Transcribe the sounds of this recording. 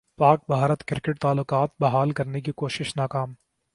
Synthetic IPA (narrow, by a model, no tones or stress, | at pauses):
paːk̚bʱaːɾət̪kɪɾkəʈ̚t̪aːlːʊkaːt̪̚bɐɦaːlkɐɾnek̬ikoːʃɪʃnaːkaːm